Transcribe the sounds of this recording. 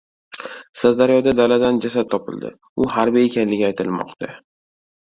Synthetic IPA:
saɾd̪aɾjɒd̪ad̪alad̪and͡ʒasad̪t̪̚t̪ʰɒpɪ̰ld̪ɪ̰ | ʊhaɾbie̞kʲanlɪɡʲɪajt̪ʰɪlmɒ̰qt̪a

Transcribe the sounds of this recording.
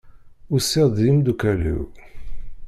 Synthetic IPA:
usiʁd̪imd̪ukælṵ

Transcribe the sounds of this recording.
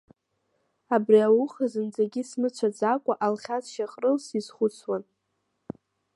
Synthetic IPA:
abriawʊχazɨnd͡zaɡʲismɨt͡ɕʷʰad͡zakʷʼaʔalχʲazʃaχʼrɨlsizχʷʊt͡sʰwan

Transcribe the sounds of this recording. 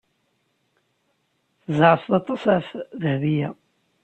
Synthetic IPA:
θəzʕəsˤðɑt̪ˤːɑsæfðəhðijæ

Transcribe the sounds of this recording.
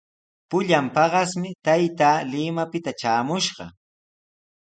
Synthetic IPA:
pʊʎampɑɢɑsmɪt̪ajt̪aːlɪmapɪt̪at͡ʃaːmʊʃɢɑ̰

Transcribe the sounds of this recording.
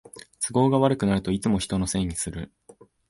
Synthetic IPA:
t͡sɨɡo̞ːɡaβaɾɯ̟kɯ̟naɾɯ̟t̪o̞it͡sɨmoçi̥t̪o̞nose̞ːɲ̟isɨɾɯ̟

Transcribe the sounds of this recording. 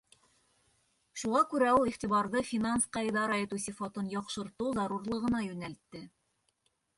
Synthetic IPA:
ʃuʁɑkʉɾæulˠiχt̪iβɑɾðɤfʲinansqɑjðɑɾɑjɤ̆t̪usʲifɑt̪ɤnjɑqʃɤ̆ɾt̪ɤwzɑɾuɾlˠɤ̆ʁɤ̆nɑjʉnælt̪ːɘ

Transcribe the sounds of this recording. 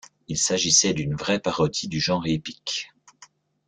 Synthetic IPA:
ilsaʒisɛd̪ynvʁɛpaʁɔd̪id̪yʒɑ̃ːʁepi̥k

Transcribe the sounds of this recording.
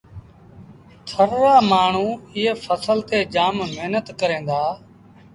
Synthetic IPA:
t̪ʰəɾːaːmaːɳ̤uːɪːfʰəsəlt̪eːd͡ʒaːmmɪɦnət̪kəɾẽːnd̪aː

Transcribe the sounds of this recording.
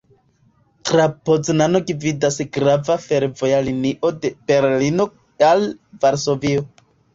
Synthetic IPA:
tɾapod͡znano̞ɡividasɡɾavafe̞ɾvo̞jaliniʔo̞de̞b̥e̞ɾlino | alvaɾso̞vio

